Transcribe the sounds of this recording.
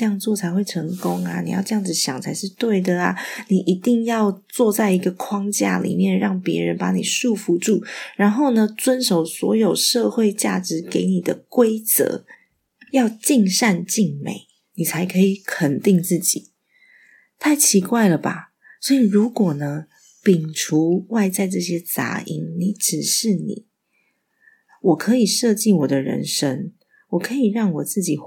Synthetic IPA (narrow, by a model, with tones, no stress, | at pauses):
ə˧jɑ˥˧ŋt͡swɔ˥˩t͡sʰa˧ɪxwe˥˩ɪʈ͡ʂʰə˧˥ŋko˦ŋa̰˨nḭ˨˩jɑ̰˥˧ʊʈ͡ʂɤ˥˧jɑ˥˧ŋd͡zɹ̩˩ɕjɑ˨˩ŋt͡sʰa˧˥ɪʂɻ̩˥˧t̪we˥˩ɪd̪ə˩a̰˩ni˨˩ʔi˧˥t̪i˥˧ŋjɑ˥˧ʊt͡swɔ˥˧t͡sa˥˩ɪi˧˥ɡə˧kʰwɑ˥ŋt͡ɕja̰˥˩lḭ˨˩mjɛ˥˨nɻɑ˥˩ŋpjɛ̰˧˥ɻə̰˧˦npa˧˥ni˨˩ʂu˥˧˩fu˧ʈ͡ʂu˥˩ɻa˧˦nxo˥˩ʊnə˩t͡swə˦nʂo˨˩ʊswɔ̰˧˥jo˨˩ʊʂɤ˥˧xwe˥˧ɪt͡ɕja̰˥˩ʈ͡ʂɻ̩˧˥ke˧˥ɪni˨˩d̪ə˦kwe˥ɪt͡sɤ̰˧˦ | jɑ˥˧ʊt͡ɕi˥˧ŋʂa˥˧nt͡ɕi˥˩ŋmḛ˨˩˦ɪ | ni˨˩t͡sʰa˧˥ɪkʰə˧˥i˨˩kʰə˨˩nt̪i˥˧ŋt͡sɹ̩˥˩t͡ɕi˨˩˦ | t̪ʰa˥˩ɪt͡ɕʰi˧˥kwa˥˩ɪlə˩ba̰˨˩ | swɔ˧˥i˨˩ɻu˧˦˥kwɔ˨˩nə˦ | pi˨˩ŋʈ͡ʂʰu˧˥wa˥˧ɪt͡sa˥˧ɪʈ͡ʂɤ˥˧ɕjɛ˥t͡sa̰˧˥ʔḭ˧˥ŋni˨˩˦ʈ͡ʂɻ̩˨˩ʂɻ̩˥˩nḭ˨˩˦ | wɔ˨˩kʰɤ˧˦i˨˩ʂɤ˥˧t͡ɕi˥˩wɔ˨˩d̪ə˦ɻə̰˧˦˥nʂə˥ŋ | wɔ˨˩kʰɤ˧˦˥i˨˩ɻɑ˥˩ŋwɔ˨˩t͡sɹ̩˥˩t͡ɕi˨˩